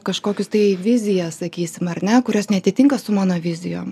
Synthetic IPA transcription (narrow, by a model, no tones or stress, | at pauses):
kɐʃkoːkʲʊst̪ɐɪʋʲɪzʲɪjɛssɐkʲiːsʲɪmɐɾʲnʲɛkʊɾʲosnʲɛɐt̪ʲɪt̪ʲɪŋkɐsʊmɑːnoːʋʲɪzʲɪjo̰ː